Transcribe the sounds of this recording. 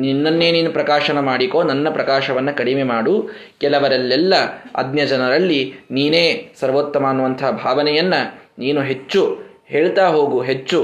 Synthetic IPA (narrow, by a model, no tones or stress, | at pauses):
ninːɐnːeːniːnupɾɐkaːʃɐnɐmaːɽikoːnɐnːɐpɾɐkaːʃɐʋɐnːɐkɐɽimemaːɽu | kɛlɐʋɐɾɐlːɛlːɐɐ̰d̪njɐd͡ʒɐnɐɾɐlːiniːneːsɐɾʋoːt̪ːɐmaːnuʋɐnt̪ʰɐɦɐbʱaːʋɐnɛjɐnːɐniːnuɦe̞t͡ʃːu | he̞ːɭt̪aːɦoːɡuɦet͡ʃːu